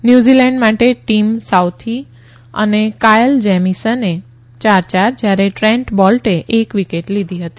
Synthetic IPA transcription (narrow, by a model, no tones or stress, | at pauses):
njuzilɛ̃ɳɖmaʈeʈimsawt̪ʰi | ə̰nekajəld͡ʒɛmisəne | t͡ʃaɾt͡ʃaɾd͡ʒjaɾeʈɾɛ̃ɳʈbɔlʈeʔekʋikeʈlid̪ʱiɦət̪i